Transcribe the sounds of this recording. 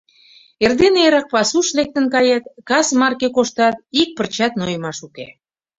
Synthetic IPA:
erd̪eneɾɑk̚pɑsuʃlek̚t̪ə̆nkɑjɑt̪kɑsmɑrkekoʃt̪ɑt̪̚ik̚pərt͡ɕɑt̪nojəmɑʃukḛ

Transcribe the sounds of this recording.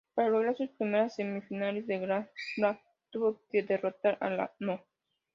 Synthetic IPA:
paɾaloɣɾaɾsuspɾimeɾasːemifinalezd̪eɡɾaɾa | t̪uβoked̪erot̪aɾa̰la̰no

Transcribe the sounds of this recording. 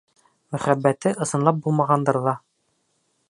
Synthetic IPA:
mɵ̆χæbːæt̪ɘʔɤ̆sɤ̆nlˠɑp̚bulˠmɑʁɑnd̪ɤɾðɑ

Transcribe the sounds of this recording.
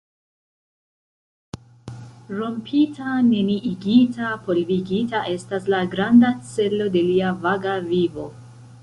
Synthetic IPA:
ɾo̞mpʰitʰane̞niʔiɡitapo̞lviɡitaʔe̞staslaɡɾandat͡se̞lo̞de̞liavaɡavivo̞

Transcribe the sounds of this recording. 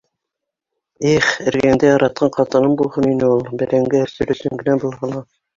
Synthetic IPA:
iχɘ̆ɾɡæŋd̪æjɑɾɑt̪̚qʰɑɴqɑt̪ɤ̆nɤmbulˠhɤninɘulˠbɘ̆ɾæŋɡæɘ̆ɾsɵ̆ɾɵ̆sɵŋɡɘ̆næbulˠɦɑlˠɑ

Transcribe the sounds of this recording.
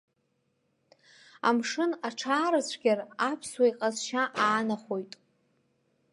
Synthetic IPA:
a̰mʂɨnaʈ͡ʂʰaːɾasʷʰɡʲarapʰswaiqʼazʃaʔaːnaχo̞jtʼ

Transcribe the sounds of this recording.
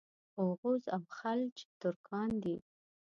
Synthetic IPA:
oɣuzawxalt͡ʃe̥t̪ʊɾkʰɑnd̪i

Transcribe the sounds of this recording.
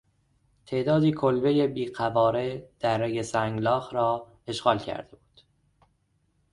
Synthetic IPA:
t̪ʰe̞ʔd̪ɒːd̪iːkʰolbe̞jebiːɢævɒːɾed̪̥æɾːejesæŋɡlɒːxɾɒː | e̞ʃɣɒːlcʰæ̰ɾd̪e̞buːd̪̥

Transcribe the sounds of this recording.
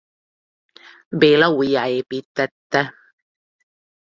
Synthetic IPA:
belawijaepit̪ːæt̪ːæ

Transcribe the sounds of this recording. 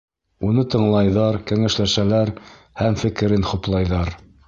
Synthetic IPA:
unɤt̪ɤ̆ɴlˠɑjðɑɾkæŋæʃlæʃælæɾ | hæmfɘ̆kɘ̆ɾɘnχŏplˠɑjðɑɾ

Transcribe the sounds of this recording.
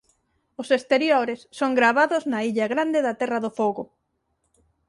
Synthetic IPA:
ʊsest̪eɾjoɾesːoŋɡɾaβ̞aðʊznaiʎɐɣɾand̪eðɐt̪ɛrɐðofoɣʊ

